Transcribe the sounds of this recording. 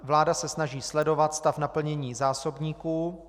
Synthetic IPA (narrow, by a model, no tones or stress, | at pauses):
vlaːdasɛsnaʒiːslɛdo̞vat̪st̪afnapl̩ɲɛɲiːzaːsobɲiːkuː